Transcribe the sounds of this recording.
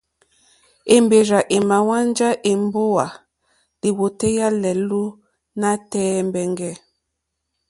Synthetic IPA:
e˨mbe˨ɾa˨ʔe˨ma˨wa˦nd͡ʒa˦ʔe˨mbo˦wa˨ | li˨wo˨te˦ja˦lɛ˨lu˦ | na˦tɛː˦mbɛ˨ŋɡɛ˦˨

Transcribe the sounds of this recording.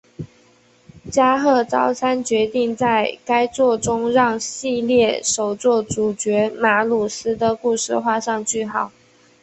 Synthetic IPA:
t͡ɕja˥xɤ˥˩t͡sɑ˥ʊsʰa˥nt͡ɕɥɛ˧˥t̪i˥˧ŋt͡sa˥˩ɪka˥ɪt͡swɔ˥˩ʈ͡ʂʊ˥ŋɻɑ˥˩ŋɕi˥˧ljɛ˥˩ʂo˨˩ʊt͡swɔ˥˩ʈ͡ʂu˨˩t͡ɕɥɛ˧˥ma˧˥lu˨˩sɹ̩˥d̪ə˨ku˥˧ʂɻ̩˥˧xwa˥˧ʂɑ˥˧ŋt͡ɕy˥˩xɑ˨˩˦ʊ

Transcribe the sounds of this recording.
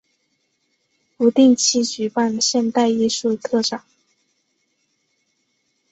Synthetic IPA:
pu˧˥t̪i˥˩ŋt͡ɕʰi˥˩t͡ɕy˧˥pa˥˩nɕjɛ˥˧nt̪a˥˧ɪi˥˧ʂu˥˧t̪ʰɤ˥˩ʈ͡ʂɑ˨˩˦ŋ

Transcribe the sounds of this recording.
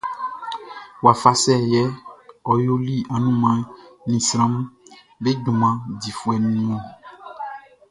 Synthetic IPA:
wa˨fa˨sɛ˦jɛ˦ɔ˨jo˦li˦a˨nũ˦mã˨˦nĩ˨sɾ̃ã˦m˦ | be˦ɖũ˨mã˨˦di˨fu˦ɛ˨nũ˦ñ˦õ˦˨

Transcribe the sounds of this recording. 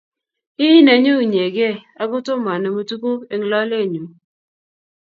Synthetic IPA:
ɪ˦ne˨ɲo˦˨ɲ˨e˨ɡe˦a˨ɡʊ˦tʊ˦ma˨nɛ˨mo˨tu˦ko˦e˨ŋ˨lɔ˦le˦˨ɲu˨

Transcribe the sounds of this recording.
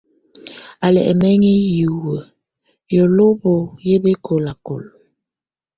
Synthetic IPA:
a˨lɛ̰˨ʔɛ̰˨mɛ˦ŋi˦ju˨wə˨ | jɔ˨lo˦bo˨je˦be˦kʰo˨la˨ko˨lo˨

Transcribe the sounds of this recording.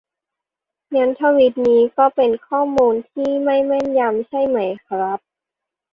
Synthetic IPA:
ŋɛ˧˦˥nt̪ʰa˧˥wi˧˦˥t̪̚niː˦˥kɔː˥˩pe˨nkʰɔː˥˩muː˧nt̪ʰiː˥˩ma˥˩jma˥˩nja˧msʰa˥˩jma˦˩jkʰɾa˦˥p̚

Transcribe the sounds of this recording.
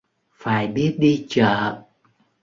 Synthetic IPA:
faː˧˩jɓi˦˥ət̚ɗi˧t͡ɕə̰ː˧˨

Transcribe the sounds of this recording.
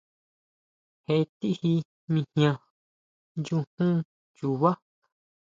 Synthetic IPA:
he˧˨˧t̪i˦hi˧ | mĩ˧hj̃ã˧ | nd͡ʒu˧hũ˦ | ju˧˨βa˦

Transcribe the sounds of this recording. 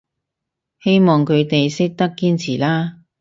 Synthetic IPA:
he˥jmɔː˨ŋkʰɵ˨˧ɥt̪e˨jsɪ˥k̚t̪ɐ˥kːiː˥nt͡sʰiː˨˩laː˥

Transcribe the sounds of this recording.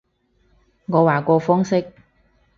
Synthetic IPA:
ŋɔː˨˧waː˨˩kɔː˧fɔː˥ŋsɪ˥k̚

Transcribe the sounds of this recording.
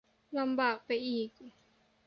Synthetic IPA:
la˧mbaː˨˩k̚pa˧jʔiː˨˩k̚

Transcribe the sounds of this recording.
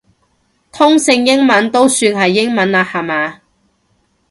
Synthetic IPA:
t̪ʰʊ˥ŋsɪ˧ŋjɪ˥ŋmɐ˨˥nt̪o˥wsyː˧nɦɐ˨jːɪ˥ŋmɐ˨˥˦naː˧hɐ˨maː˨˧

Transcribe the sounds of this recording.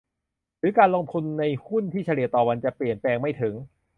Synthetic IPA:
ɾɯː˨˩˦kaː˧nloː˧ŋt̪ʰu˧nːa˧jhu˥˩nt̪ʰiː˥˩t͡ɕʰa˧ɾi˨˩ɐt̪ɔː˨˩wa˧nt͡ɕa˨˩pli˨˩ənplɛː˧ŋma˥˩jt̪ʰɯ˩˦ŋ

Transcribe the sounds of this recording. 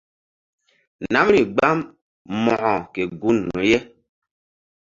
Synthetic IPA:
nna˨˦m˦ɾi˨ɡ͡ba˦m | mɔ˨ʔɔ˨ke˨ɡu˦nːɔ̰˨jɛ˦

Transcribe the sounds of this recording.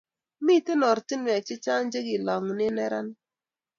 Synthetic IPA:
mi˦˨tɪ˦nɔ˨ɾti˦nwɛ˨t͡ʃɪ˦t͡ʃa˦nd͡ʒe˦ɡɪ˨lɔ˨ŋnɪ˦nɛ˦ɾa˦n

